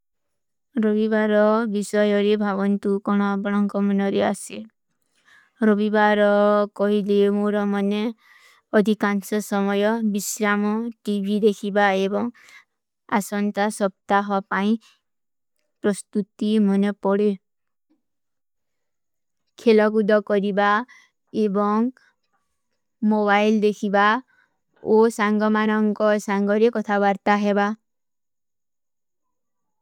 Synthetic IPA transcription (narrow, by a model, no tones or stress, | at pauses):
ɾɔbibaɾɔbisɔjɔɾebʱaβɔnt̪ukɔɽ̃ɔbɔɽ̃ɔŋkɔmɔnɔɾease | ɾɔbibaɾɔkɔɦilemoɾɔmɔne | ɔd̪ʱikansɔsɔmɔjɔbisɾamɔʈibʱid̪ekʰibaebɔŋ | a̰sɔnt̪asɔp̚t̪aɦɔpaĩ | pɾɔst̪ut̪imɔnepɔɽe | kʰelɔkud̪ɔkɔɾiba | ebɔŋ | mobajld̪ekʰiba | osaŋɡɔmanɔŋkɔsaŋɡɔɾekɔt̪ʰaβaɾt̪aɦeba